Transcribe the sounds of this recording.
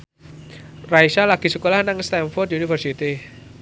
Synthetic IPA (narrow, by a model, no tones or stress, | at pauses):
rajsalaɡ̥i̤səkolahnaŋst̪ɛnfɔrd̪iunifərsit̪i